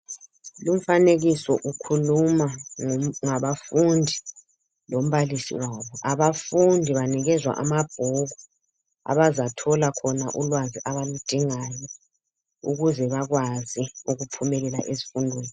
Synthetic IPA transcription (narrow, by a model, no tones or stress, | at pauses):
lum̩faneɣisɔ̰ʔukʰuluma | ŋaβafundʱi | lom̩βalisḭwaβɔʔaβafundʱiβaniɣɛzwa̰ʔa̰mab̥ʱɔɣu | a̰βazatʰɔlakʰɔnaʔulwaziʔaβalud̥ʱiŋajɔ | ṵɣuzɛβaɣwaziuɣupʰumɛlɛlaʔezi̥fundʱweːni